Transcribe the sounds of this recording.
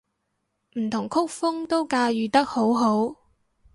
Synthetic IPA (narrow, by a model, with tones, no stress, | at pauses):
m̩˨˩t̪ʰʊ˨˩ŋkʰʊ˥k̚fʊ˥ŋt̪o˥wkaː˧jyː˨t̪ɐ˥k̚ho˨˥wɦo˨˥w